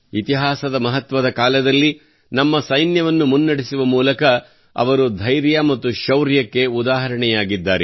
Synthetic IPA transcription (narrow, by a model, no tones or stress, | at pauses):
it̪iɦaːsɐd̪ɐmɐɦɐt̪ʋɐd̪ɐkaːlɐd̪ɐlːi | nɐmːɐsɐjnjɐʋɐnːumunːɐɽisuʋɐmuːlɐkɐ | ɐ̰ʋɐɾud̪ʱɐjɾjamɐt̪ːuʃɐwɾjɐkːe̞ud̪aːɦɐɾɐɳɛjaːɡid̪ːaːɾe